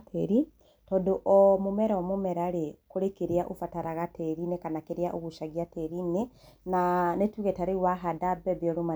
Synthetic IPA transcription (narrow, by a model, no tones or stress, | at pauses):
tʰɛɾi | tɔdoʔɔmomɛɾaɔmomɛɾaɾekoɾekeɾeaʔofataɾaɣatʰɛɾinekanakeɾjaʔoɣuʃaɣjatɛɾinenanetuɣɛtaɾeɣwaɦadabɛbjɔɾoma